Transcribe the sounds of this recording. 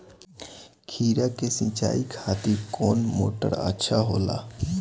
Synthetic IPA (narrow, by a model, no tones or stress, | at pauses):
kʰiːɾakesɪ̃t͡ʃa̰ːikʰaːt̪ikoːnmo̰ːʈə̰ɾə̰tːʃʰaɦoːla̰ː